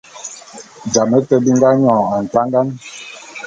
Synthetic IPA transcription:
d͡ʒa˨mə˦tə˦bi˦ŋ˦ɡa˦ɲɔ̃ː˨a˨n̩˨ta˦ŋɡa˦n

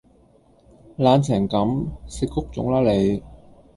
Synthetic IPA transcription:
laː˨˧nt͡sʰɛː˨˩ŋkɐ˨˥msi˧kʰʊ˥k̚t͡sʊ̰˨˥ŋlaː˥le˨˧j

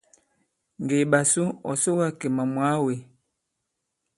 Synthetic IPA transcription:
ŋ˨ɡe˨ɓa˨su˦ɔ̰˨so˦wa˦ke˨ma˨mwa˦we˨

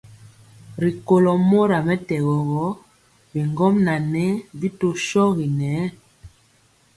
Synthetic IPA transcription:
ɾi˨ko˨lɔ˨mo˦ɾa˨mɛ˦tɛ˨ɣɔ˨ɣɔ˨˦ | bi˨ŋɡɔ˦mna˨nɛ˦bi˦to˦ʃɔ˦ɣi˨nɛː˨˦

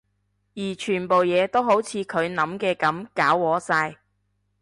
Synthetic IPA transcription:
jiː˨˩t͡ʃʰyː˨˩npo˨wjɛː˨˧t̪o˥wɦo˨˥wt͡sʰiː˨˧kʰɵ˨˧ɥnɐ˨˥mkɛː˧kɐ˨˥mkaː˨˥wwɔː˨˥saː˧j

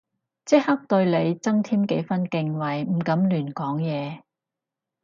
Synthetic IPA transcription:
t͡sɪ˥k̚hɐ˥k̚t̪ɵ˧ɥle˨˧jt͡sɐ˥ŋt̪ʰiː˥mke˨˥jfɐ˥nkɪ˧ŋwɐ˨˩jm̩˨˩kɐ˨˥mlyː˨˩nkɔː˨˥ŋjɛː˨˧

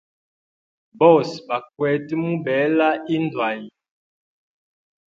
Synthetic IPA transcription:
bɔ˦˨sba˨k̚wɛ˨˦ti˦mu˦bɛ˨˦la˦i˦n˦dwa˨ji˨

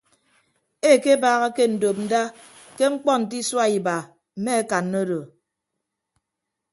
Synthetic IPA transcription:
e˦˨ke˦baː˨˦ɣa˦ke˦n̩˨do˨p̚n̩˨da˦ | ke˦ŋ͡m̩˦k͡pɔ˦n̩˨t̬i˦swa˦i˨ba˨ | m̩˨˦me˦e˦ka˨nːo˦do˨

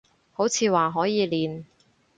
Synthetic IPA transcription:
ho˨˥wt͡sʰiː˨˧waː˨˩ɦɔː˨˥jiː˨˧liː˨n

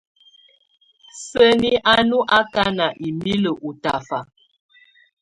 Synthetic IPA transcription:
sə˦ni˦ʔa˦nu˦ʔa˦ka˦na˨ʔi˨mi˦lə˨ʔu˨ta˨fa˨

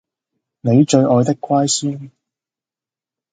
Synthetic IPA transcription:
ne˨˧jt͡ʃɵ˧ɥɔː˨˧jt̪ɪ˥kːʷaː˥jsiː˥n

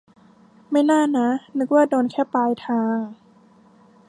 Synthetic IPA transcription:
ma˥˩jnaː˥˩na˦˥nɯ˦˥k̚waː˥˩doː˧nkʰɛː˥˩paː˧jt̪ʰaː˧ŋ

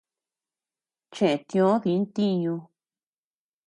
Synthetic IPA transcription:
t͡ʃe˨t̪j̃õ˧˦ði˧˦n˦t̪i˦ɲũ˧

